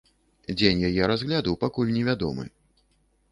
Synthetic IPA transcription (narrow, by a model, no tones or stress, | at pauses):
d͡zʲenʲjajɛɾazɣlʲad̪uwpakulʲnʲɛvʲad̪ɔ̰mɨ̰